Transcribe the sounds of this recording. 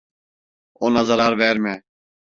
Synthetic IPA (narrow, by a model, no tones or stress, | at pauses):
ʊːnaːzəɾaːɾʋɛːɾmɛ̃ː